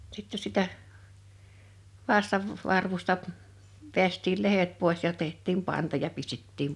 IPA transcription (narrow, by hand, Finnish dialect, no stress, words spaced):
sitːe sitæ ʋɑstɑʋ ʋɑrʋustɑ ʋeæstʲiːl lehet poˑes jɑ tehtˑiːm pɑntɑ jɑ pistetːiːm